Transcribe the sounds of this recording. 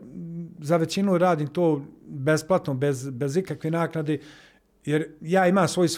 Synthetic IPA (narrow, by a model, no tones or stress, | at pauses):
zaʋe̞t͡ɕinuɾaːd̪iːmt̪oːbe̞splˠat̪nobezbe̞zikakʋenaːknad̪e | jeɾjaːimaːmsʋo̞jis